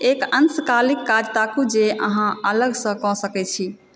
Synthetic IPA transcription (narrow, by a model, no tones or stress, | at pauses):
ekənskalikːad͡ʒt̪akud͡ʒeʔəɦãələɡsə̃kɔ̃səkɛt͡ʃʰi